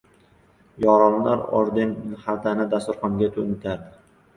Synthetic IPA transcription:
jɒɾɒnlaɾɒ̰ɾd̪ɪnhalt̪anɪd̪ast̪ʊɾχɒŋɡʲat̪ʰomɪt̪ʰaɾd̪ɪ

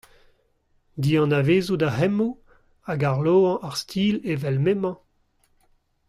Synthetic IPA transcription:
d̪iːɑ̃naveːzudahɛmu | aɡaʁloːɑ̃ʔaʁst̪ʰiːlevɛlmemɑ̃

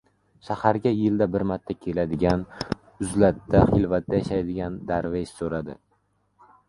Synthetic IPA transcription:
ʃahaɾɡʲajɪld̪abɪɾmat̪ʰːakʲʰe̞lad̪ɪɡʲan | ʊzlat̪ːaχɪlvat̪ːajaʃajd̪ɪɡʲand̪aɾveʃsoɾad̪ɪ̰

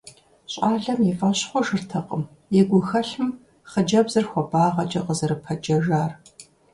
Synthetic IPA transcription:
ɕʼɑːɮɐmjifʼɐɕχʷɔʒɨrtʰɐqəm | jɛɡʷʊxɐɬɨm | χəd͡ʒɐbzɨrxʷɔbaːʁɐt͡ʃʼɐqəzɐɾɨpʰɐd͡ʒɐʒaːr

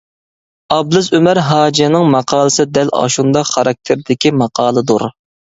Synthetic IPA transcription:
ɑblˠɨzømæɾɦɑːd͡ʒinɪŋmɑqʰɑːlˠəsɨd̪ælɑ̰ʃund̪ɑχɑɾɑk̚t̪ʰɪɾd̪ɪkʲimɑqʰɑːlˠɨd̪oɾ

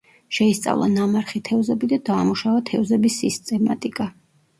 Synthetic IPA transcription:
ʃɛist̪sʼa̰vlˠa̰namaɾχit̪ʰɛvzɛbid̪ad̪aːmuʃavat̪ʰɛvzɛbisːist̪ʼɛmat̪ʼikʼa

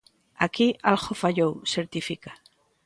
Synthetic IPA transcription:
akialxofaʎowseɾt̪ifika

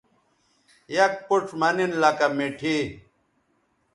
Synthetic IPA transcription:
jɐk̚puʈ͡ʂmɐninlɐkɐmiʈʰi

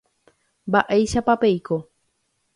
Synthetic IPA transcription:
mbaʔejʃapapejko

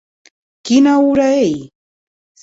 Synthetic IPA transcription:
kɪnaʊɾaj

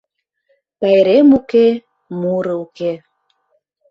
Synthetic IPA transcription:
pæjɾemuke | muɾəuke

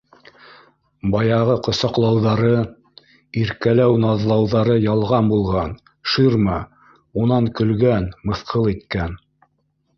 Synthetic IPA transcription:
bɑjɑʁɤqŏsɑqlˠɑwðɑɾɤ | iɾkælæwnɑðlˠɑwðɑɾɤjɑlˠʁɑnbulˠʁɑn | ʃiɾmɑ | unɑŋkɵ̆lɡænmɤ̆θqʰɤlˠit̪kæn

